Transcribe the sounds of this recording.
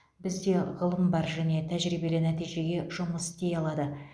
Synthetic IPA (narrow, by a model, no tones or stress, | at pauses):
bɪzd̪e̞ʁəlˠəmbɑɾʒæne̞t̪ʰæʒɾijbe̞lɪnæt̪ijʒe̞ɡʲe̞ʒ̥ʊməsd̪e̞jɑlˠɑd̪ə